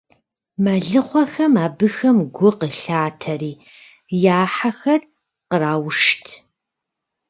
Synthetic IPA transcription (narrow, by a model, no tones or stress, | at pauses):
mɐɮɨχʷɔxɐmaːbɨxɐmɡʷʊqəɬaːtʰɐriː | jaːħaxɐr | qəraːwʂtʰ